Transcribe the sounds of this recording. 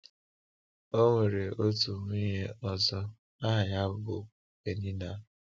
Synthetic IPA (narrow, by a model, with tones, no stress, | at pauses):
o˦ŋʷe˨ɾe˨o˦tu˨ŋʷ˦i˦ɦe˦ɔ˨zɔ˦ | a˦ɦa˨ja˦bʊ˨ | ke˨ni˦na˦